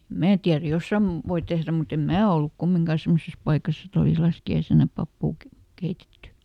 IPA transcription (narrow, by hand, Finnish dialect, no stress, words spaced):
mæː tiær josːɑm ʋoi tehræ mut em mæː olːuk kumːiŋkɑˑ semːoses pɑikɑs et oliˑs lɑskiɑisenɑ pɑpːuː ke keitetːy